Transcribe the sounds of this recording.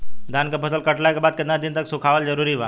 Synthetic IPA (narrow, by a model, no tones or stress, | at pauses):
d̪ʱankəpʰəsəlkəʈlajkəbad̪̚kəd̪nad̪int̪əksukʰaʋəld͡ʑəɾuɾiːʋa